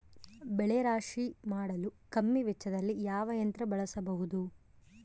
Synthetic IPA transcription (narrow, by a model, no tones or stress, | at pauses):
bɛɭeɾaːʂimaːɽɐlukɐmːiʋɛt͡ʃːɐd̪ɐlːijaːʋɐjɐnt̪ɾɐbɐɭɐsɐbɐɦud̪u